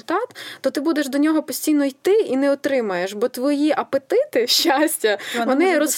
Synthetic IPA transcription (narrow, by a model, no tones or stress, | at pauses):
t̪ɑt̪t̪ɔt̪ɪbud̪eʒd̪ɔnʲɔɦɔpɔsʲtʲijnɔjt̪ɪinɛɔt̪ɾɪmɐjeʃbɔt̪ʋɔjiʔɐpet̪ɪt̪ɪʃt͡ʃːasʲtʲɐʋɔnɪɾɔs